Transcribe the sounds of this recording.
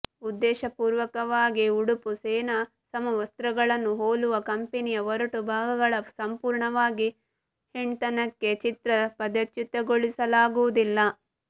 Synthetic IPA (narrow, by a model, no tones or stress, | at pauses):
ud̪ːɛːʃɐpuːɾʋɐkɐʋaːɡiuɽupuseːnɐ | sɐmɐʋɐst̪ɾɐɡɐɭɐnːuɦoːluʋɐkɐmpenijɐʋɔɾɐʈubʱaːɡɐɡɐɭɐsɐmpuːɾɳɐʋaːɡi | hiɳt̪ɐnɐkːe̞t͡ʃit̪ɾɐpɐd̪ɐt͡ʃ̪jut̪ːɐɡoɭisɐlaːɡuʋud̪ilːɐ